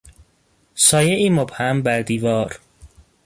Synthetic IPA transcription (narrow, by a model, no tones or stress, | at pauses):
sɒːjeʔiːmobhæmbæɾd̪iːvɒːɾ